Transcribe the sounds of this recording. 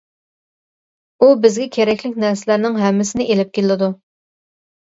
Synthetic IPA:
ubɪzɡʲɛkʲʰeɾɛkʲlɪkʲnæɾsɪlæɾnɪŋɦɛmːɪsɪnɪʔelɪp̚kʲelɪd̪u

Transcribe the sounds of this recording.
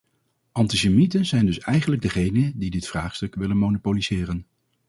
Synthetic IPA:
ʔɑntisemitənzɛjndɵsɛjχənləɡ̚dəχejnədidɪtfraːχstɵkʋɪlənmownopolizɪːrən

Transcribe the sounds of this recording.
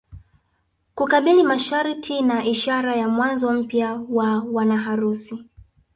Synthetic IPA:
kukaɓilimaʃaɾitʰinaiʃaɾajamwanzɔm̩pjawawanaɦaɾusi

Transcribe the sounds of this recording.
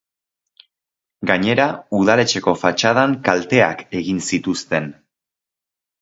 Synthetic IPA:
ɡaɲe̞ɾauð̞ale̞t͡ʃe̞ko̞fat͡ʃaðaŋkalt̪e̞a̰ke̞ɣinsit̪ust̪e̞n

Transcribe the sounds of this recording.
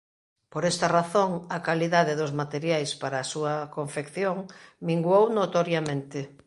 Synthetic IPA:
poɾɛst̪ɐraθoŋɐkaliðaðeðʊzmat̪eɾjajspaɾaːsuɐkoɱfekθjoŋmiŋɡwownot̪oɾjamẽnt̪ɪ

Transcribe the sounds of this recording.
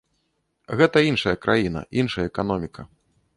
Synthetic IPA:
ɣɛt̪ɐinʂɐjɐkɾʔa̰jinɐ̰ʔinʂɐjɐɛkan̪ɔmʲikʰɐ̰

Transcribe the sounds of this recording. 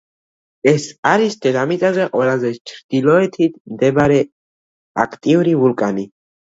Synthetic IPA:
ɛsaɾist̪ʰɛɾamit̪ʼazɛqʼwɛlazɛt͡ʃʰɾd̪̥ilɔɛt̪ʰit̪ʰmd̪ɛbaɾɛ | a̰kʰt̪ʼivuɾivulkʼani

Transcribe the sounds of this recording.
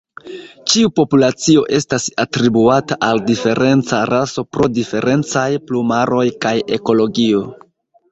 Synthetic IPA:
t͡ʃiupo̞pulat͡sio̞ʔe̞stasatɾibuataʔaldife̞ɾʔe̞nt͡saɾʔaso̞pɾo̞dife̞ɾʔe̞nt͡sajplumaɾʔo̞jkaje̞ko̞lo̞ɡio̞

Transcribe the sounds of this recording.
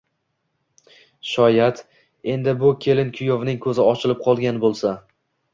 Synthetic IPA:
ʃɒjat̪ | e̞nd̪ɪbʊkʲʰe̞lɪnkʲʰʊjovnɪŋkʰɵzɪɒt͡ʃʰɪlɪp̚qʰɒlˠɡʲanbolˠsa

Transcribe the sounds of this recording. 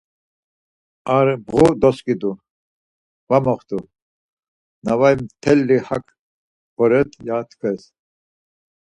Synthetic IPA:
aɾbʁud̪ɔskʼid̪u | vamɔχt̪u | navajmt̪ʰɛlːihakʰ | ɔɾɛt̪ʰjaːt̪ʰkʰɛs

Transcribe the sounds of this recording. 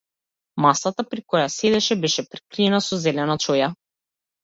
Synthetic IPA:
masat̪apɾikɔjasɛd̪ɛʃɛbɛʃɛpɾi̥kɾiɛnasɔzɛlɛnat͡ʃɔja

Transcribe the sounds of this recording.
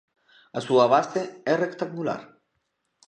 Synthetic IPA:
asuaβast̪eerekt̪aŋɡula̰ɾ

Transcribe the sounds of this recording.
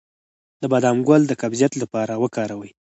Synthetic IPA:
d̪əbad̪ɑmɡwald̪əkabzjat̪lapɑɾawəkɑɾawəj

